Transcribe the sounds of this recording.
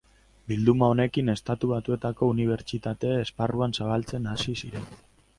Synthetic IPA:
bild̪umao̞ne̞kine̞st̪at̪uβat̪ue̞t̪ako̞uniβ̞e̞ɾt͡ʃit̪at̪e̞ːsparuansaβ̞alt͡se̞nasisiɾe̞n

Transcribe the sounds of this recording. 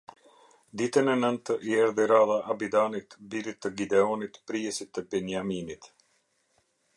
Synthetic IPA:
d̪it̪ɛnɛnənt̪əʔiɛɾðiɾaðaʔːbid̪anit̪bilit̪ːəɡid̪ɛɔnit̪pɾiɛsit̪ɛbɛnjaminit̪

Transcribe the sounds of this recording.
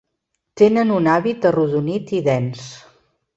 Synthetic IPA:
t̪enənunaβit̪əruðunit̪iðɛns

